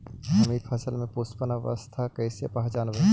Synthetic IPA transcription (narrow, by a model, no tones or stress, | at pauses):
ɐmiːpʰəsəlmẽpoːspənaʋə̰st̪ʰakəɪsepɐɦt͡ʃaːnʋə